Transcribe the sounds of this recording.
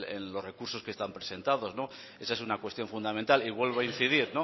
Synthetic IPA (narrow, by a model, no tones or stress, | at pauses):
ḛnlo̞zre̞kuɾso̞skest̪ampɾe̞̥se̞nt̪aðo̞zno̞ | e̞sae̞s̬unakwe̞st̪jo̞ɱfund̪ament̪aliβwe̞lβoain̟θiðiɾno̞